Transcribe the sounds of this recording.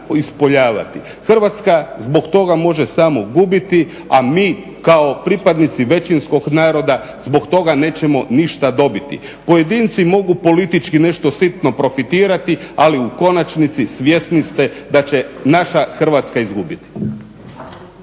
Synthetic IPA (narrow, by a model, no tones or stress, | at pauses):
ispo̞ʎaːʋa̰t̪i | xr̩ʋat̪skazbo̞kt̪o̞ɡamo̞ʒesamo̞ɡuːbit̪i | amiː | kao̞pɾipad̪nit̪siʋe̞t͡ʃinsko̞ɡnaːɾo̞d̪a | zbo̞kt̪o̞ɡane̞ːt͡ɕemo̞niʃt̪ad̪o̞bit̪ḭ | poje̞d̪iːnt̪simo̞ɡupo̞lit̪it͡ʃkine̞ʃt̪o̞sit̪no̞pɾo̞fit̪iːɾat̪ialiuko̞nat͡ʃnit̪sisʋje̞snist̪ed̪at͡ɕe̞naʃaxr̩ʋat̪skaizɡubit̪i̥